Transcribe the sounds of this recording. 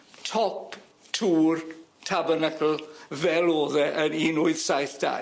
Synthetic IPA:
tʰɔp | tʰuːrtʰabərnakʰəl̩ˠvɛlˠoːðɛʔəɾinʊɨð̥sajθd̥a̰

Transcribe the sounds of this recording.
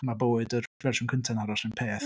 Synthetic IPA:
maboːɨdərvɛrsɪnkʰəntʰɛnhaɾɔsɪnpʰeːθ

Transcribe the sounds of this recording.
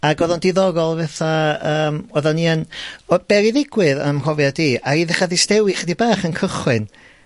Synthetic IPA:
aɡɔðɔndɪðɔɡɔlˠvɛθaəːmɔðɔnianɔb̥ɛɾiðɪɡwɨðə̰mrɔvjadiːaiðɛχaðɪstɛwiχdibaːχənkʰəχwɨn

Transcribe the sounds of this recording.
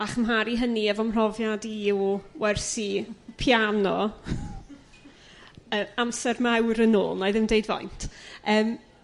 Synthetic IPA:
aχəmɦaɾiɦəniɛvɔmr̥ɔvjadiɔwɛrsipʰjanɔ | əːamsɛrmɛwɾəno̰ːlˠnajðɪmdejdvɔ̰jntʰəːm

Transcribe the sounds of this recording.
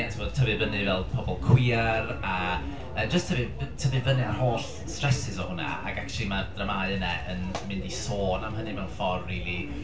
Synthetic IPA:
ɛtʰvoːd̥tʰəvɨvənɨvɛlˠpʰɔbɔlˠkʰw̥ɪːara | əːd͡ʒəstʰəvɨtʰəvɨvənɨar̥hoːɬ | strɛsɪzɔhʊna̰a̰ɡakt͡ʃʰɛlˠimad̥rəmajənɛʔənmɪndisoːnamɦənɨmɛwnfɔrriːlˠi

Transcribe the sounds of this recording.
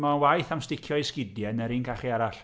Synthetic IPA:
mawajθamstɪkʰjɔɪskɪdjɛnɛɾiːnkʰaχiaɾaɬ

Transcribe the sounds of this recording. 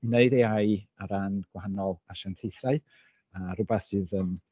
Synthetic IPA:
neɨdeajaɾanɡ̥wahanɔlˠaʃantʰejθraɨ | aɾʊbɛθsɨːðən

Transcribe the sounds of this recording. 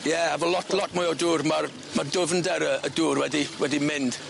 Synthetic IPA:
jɛavəlɔtʰlˠɔtmʊjɔduːrmar | mardʊvndɛɾəəduːrwɛdiwɛdimɪnd̥

